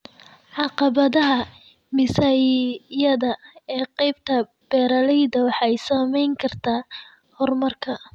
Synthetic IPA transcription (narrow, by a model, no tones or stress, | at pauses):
ʕɑqɑβɐðɐɦɐ | mɪsajjɐðɐɛːqɛjb̚t̪ʰɐ | b̥ɛːɾɐlɛjðɐwɑħɑjsɐmɛjŋkʰɐrt̪ʰaː | hɔrmɐrkʰɐ